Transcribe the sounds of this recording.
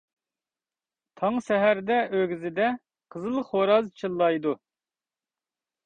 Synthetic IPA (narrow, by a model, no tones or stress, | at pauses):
t̪ʰɑŋsɛɦæɾd̪ɛʔøɡʲyzɪd̪ɛ | qʰəzɨlˠəχhoɾɑzt͡ʃʰɨlˠːɑjd̪u